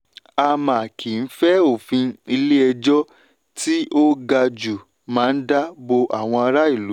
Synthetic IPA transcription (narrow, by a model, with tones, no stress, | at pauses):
a˧mã˨kʰi˨n̩˦fɛ˦o˦˨fĩ˧i˧le˦ɛ˧d͡ʒɔ˦ | ti˦o˦ɡa˧d͡ʒu˨ | mãː˨˦n̩˦da˦bo˧ʔa˦˨w̃ɔ̃˧a˧ɾa˦i˦˨lu˨˦